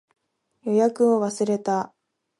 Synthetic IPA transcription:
jo̞jakɯ̟o̞βasɨɾe̞t̪a

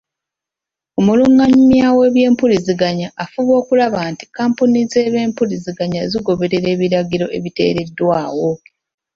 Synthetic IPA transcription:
omuluŋaɲimjiawe̞ːβje̞ːmpuliziɡaɲaʔːfuβo̞ːkulaβaːnti̥kaːmpunize̞ːβe̞ːmpuliziɡaɲaziɡo̞βe̞ɾe̞ɾe̞ːβiɾaɡiɾo̞ʔe̞̰βite̞̰ːɾe̞dːwaːwo̞

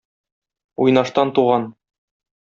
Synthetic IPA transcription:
ujnɑʃt̪ɑnt̪uʁɑn

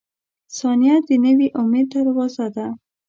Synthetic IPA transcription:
sɑnijad̪ənəwiʔʊmed̪̚t̪aɾawɑzad̪a

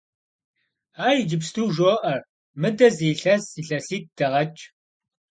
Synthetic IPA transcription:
aːjd͡ʒɪpstʰuːʒoːʔɐr | mɨdɐziːɬɐsiɬɐsiːt̚d̥ɐʁɐt͡ʃʼ

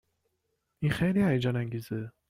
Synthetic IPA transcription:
inxejliːæjd͡ʒɒːnæŋɡiːze

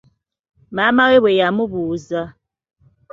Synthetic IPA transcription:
mamaɣewejamubuza

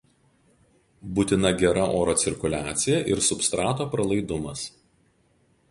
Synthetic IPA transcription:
buːt̪ʲɪnɐɡʲɛɾɐʔoːɾoːt̪sʲɪɾʲkʊlʲæːt̪sʲɪjɛʔɪɾsʊpst̪ɾɑːt̪oːpɾɐlˠɐɪd̪ʊmɐs

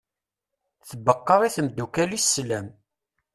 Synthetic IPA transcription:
θəbəqːɑɾˤiθəmd̪ːukælisːlæm

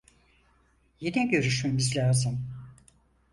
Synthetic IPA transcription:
jinɛɟø̞ɾyʃme̞mizlʲaːzɯm

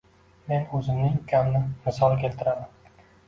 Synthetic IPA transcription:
me̞nɵzɪmnɪŋkʲʰamnɪmɪsɒlˠkʲelt̪ʰɪɾad̪ɪm

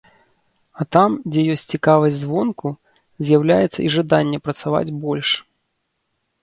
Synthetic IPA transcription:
ɐt̪amd͡zʲɛjɔsʲtʲt͡sʲt͡sʲikavɐzʲzvɔnku | zʲjawlʲajɛt̪sːɐ̰iʐad̪anʲːɛpɾɐt̪sava̰d͡zʲbɔlʲʂ

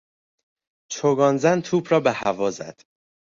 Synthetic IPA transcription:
t͡ʃʰoɡɒːnzænt̪ʰuːbɾɒːbehævɒːzæ̰d̪̥

